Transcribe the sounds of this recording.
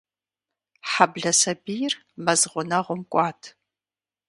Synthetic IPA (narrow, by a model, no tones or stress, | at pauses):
ħabɮɐsɐbijr | mɐzʁʷʊnɐʁʷʊmkʷʼɑːtʰ